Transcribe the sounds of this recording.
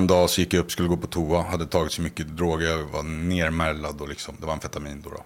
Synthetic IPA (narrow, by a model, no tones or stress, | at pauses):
nd̪ɑːsɔjɪkːjaɵpːskɵlːəɡoːpʰɔt̪ʰuːahad̪ːət̪ʰɑːɡɪt̪sɔmʏkːəd̪ɾoːɡəjɑva̰neːɾmɛlːad̪ɔlɪksɔmd̪ɛvaɾɛnfɛt̪amiːnd̪ɔ̰ɾɔ̰